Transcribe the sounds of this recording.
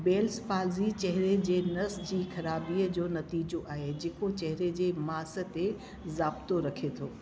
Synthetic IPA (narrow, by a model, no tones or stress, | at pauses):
beːlsfaːlzit͡ɕɐɦɪɾed͡ʑeːnɐsd͡ʑiːxɐɾaːbiːəd͡ʑoːnɐt̪iːd͡ʑoʔaːɦed͡ʑeːkot͡ɕɐɦɪɾed͡ʑeːmaːsə̆t̪e | zaːbt̪oɾɐkʰet̪ʰoː